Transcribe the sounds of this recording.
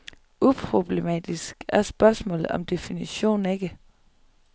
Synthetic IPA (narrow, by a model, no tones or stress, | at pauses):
ʔupʰʁo̝b̥le̝mɛ̰ːd̥isɡ̥æɐsb̥ɶɐsmɔ̰̽ːlð̩ˠɒ̽md̥e̝finiɕo̝̰ːn̩e̝ɡ̥ə